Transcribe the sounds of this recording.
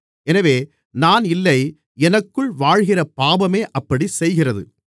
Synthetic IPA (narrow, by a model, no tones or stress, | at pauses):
ɛnɐʋeː | naːnɪlːɐɪ | ɛnɐkːɯɭʋaːɻɣɪrɐpaːbɐmeːʔɐpːɐɽisɛjɣɪrɐðɯ̰